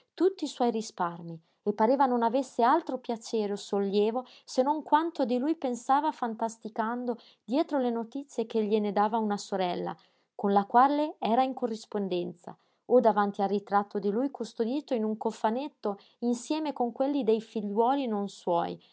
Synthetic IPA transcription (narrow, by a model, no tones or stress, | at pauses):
t̪ut̪ːiːswɔjrisparmi | epːaɾeːvanonavesːealt̪ɾopjat͡ʃeːɾeosolːjɛːvo | senoŋkwant̪od̪ilujpensaːvafant̪ast̪ikand̪o | d̪jɛːt̪ɾolenot̪it̪sːjek̟eʎːened̪aːvaunasoɾɛlːa̰ | konlakwalːeɛːɾaiŋkorːispond̪ɛnt̪sa̰ | od̪avant̪ialrːit̪ɾat̪ːod̪ilujkust̪od̪iːt̪oinuŋkofːanet̪ːo | insjɛːmekoŋkwelːid̪ejfiʎːwɔːlinonswɔ̰ːj